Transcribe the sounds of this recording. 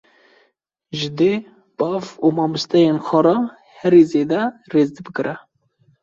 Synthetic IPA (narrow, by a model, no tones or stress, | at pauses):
ʒɨd̪e | b̥ɑːvumɑːmust̪ɛjenxɑɾɑ | hɛɾizeːd̪ɛreːzd̪ɨbɨkɨɾʔɛ